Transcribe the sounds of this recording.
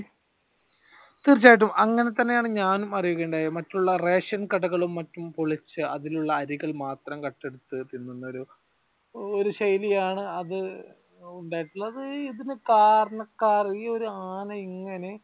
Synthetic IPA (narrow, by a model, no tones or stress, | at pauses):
t̪irit͡ɕːaːjiʈ̬ːumʔɐŋːɐne̞t̪ɐnːe̞jaːɳɨɲaːnumɐrijuɣeːɳɖaːjɐmɐtːuɭːɐre̞ːʂɐnkɐɽɐɣɐɭumːɐtːumpoɭit͡ɕːɨɐðiluɭːɐːɾiɣɐɭmaːt̪rɐmkɐʈːe̞ɽut̪ːɨt̪ːinːunːɐoɾu | oɾuɕɐjlijaːɳɨɐðɨ | uɳɖaːjiʈːuɭːɐɐðɨiðinɨkaːɾɐɳɐkːaːriio̞ɾuaːnɐiŋːɐne̞